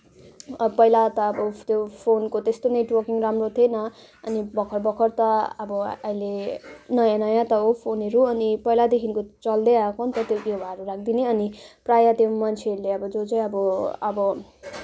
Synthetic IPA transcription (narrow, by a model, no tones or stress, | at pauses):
pʌjlat̪ʌːbʌt̪jopʰonkot̪est̪oneʈwʌrkiŋramrot̪ʰienʌ | ʌnibʌkʰʌrbʌkʰʌrt̪ʌʌbʌʌilenʌjãnʌjãt̪ʌɦopʰoneɾuʌnipʌilad̪ekʰinkot͡sʌld̪eakont̪ʌt̪joɡjobʱaɾurakʰd̪ineʌniprajat̪jomʌnt͡sʰeʌɾuleʌbʌd͡zot͡saĩʌbʌʌbʌ